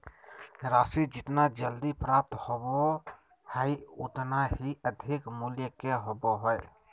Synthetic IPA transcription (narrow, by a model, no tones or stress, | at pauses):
ɾasid͡ʒɪt̪nad͡ʒəld̪ipɾap̚t̪hobo | həjot̪naɦiəd̪ʱikmuljəkeɦoboɦoj